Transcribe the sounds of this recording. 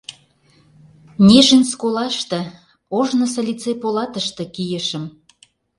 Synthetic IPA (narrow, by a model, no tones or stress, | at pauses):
nʲeʒənʲskolɑʃt̪ĕ | oʒnə̆sɤ̆lʲit͡sepolɑt̪əʃt̪ĕkijə̆ʃəm